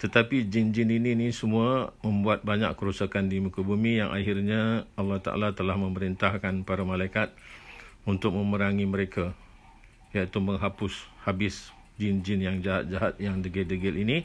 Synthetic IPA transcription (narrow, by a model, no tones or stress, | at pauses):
t̪ət̪apid͡ʒind͡ʒɪnininisəmuamə̃mbuat̪̚baɲa̰kkəɾusakandimukəbumijaŋʔa̰hɪrɲaalːɑht̪a̰ʔa̰lat̪əlahmə̃məɾint̪ahkanpaɾamalajkat̪̚unt̪ʊk̚mə̃məɾaŋiməɾekʰa | jait̪umə̃ŋɦapʊshabɪs | d͡ʒɪnd͡ʒɪnjaŋd͡ʒaɦa̰t̪̚d͡ʒaɦat̪̚jaŋdəɡɛldəɡɛlini